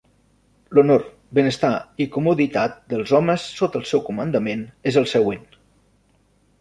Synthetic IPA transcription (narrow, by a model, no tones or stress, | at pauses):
lunor | bənəst̪aikumuðit̪at̪̚d̪əlˠzɔməsːot̪əlˠsɛwkumənd̪əmenezəlˠsəɣwen